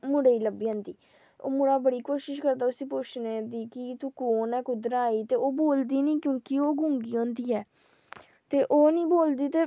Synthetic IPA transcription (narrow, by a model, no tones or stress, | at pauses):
mʊɽeːiːləbiːãːnd̪iː | o̰ːmʊɽaːbəɽiːkoːʃɪʃkəɾd̪aːʊsĩːpʊt͡ʃʰneːd̪iːkɪt̪ukoːnɛːkʊd̪ɾaːiːt̪eːoːboːld̪iːnĩːkjõːkɪoːɡʊ̃ːŋɡiːõːnd̪iːɛː | t̪eːʔoːnĩːboːld̪iːt̪eː